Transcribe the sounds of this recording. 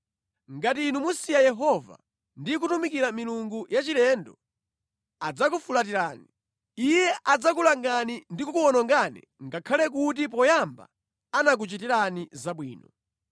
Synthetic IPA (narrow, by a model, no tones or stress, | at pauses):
ŋɡatiːnumusijajɛɦɔva̰ | ndik̬utumikiɾamiluŋɡujat͡ʃilɛndɔ | ad͡zakufulat̬iɾaːni | ijɛʔad͡zak̬ulaŋɡanindikukuɔnɔŋɡanɛ̰ŋɡakʰalɛk̬ut̬ip̬ɔjamba̰ | anak̬ut͡ʃitiɾanizaɓwiːnɔ